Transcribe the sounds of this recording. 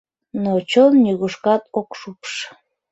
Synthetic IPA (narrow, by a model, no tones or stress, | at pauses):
not͡ɕonːʲyɣuʃkɑt̪okʃupə̥ʃ